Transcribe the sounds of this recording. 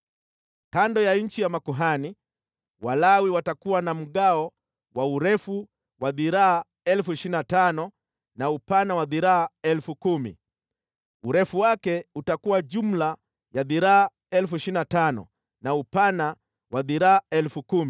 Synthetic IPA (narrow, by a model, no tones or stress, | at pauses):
kandɔjaɲ̩t͡ʃijamakuɦani | walawiwatakuwanam̩ɠaɔ | wauɾɛfu | waðiɾaː | ɛlfuiʃinatanɔ | naupanawaðiɾaaɛlfukumḭ | uɾɛfuwakɛutakuwaʄum̩la | jaðiɾaː | ɛlfuiʃinatanɔ̰ | naupana | waðiɾaːɛlfukum